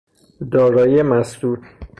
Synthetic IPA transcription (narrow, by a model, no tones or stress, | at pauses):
d̪ɒːɾɒːjemæsd̪uːt̪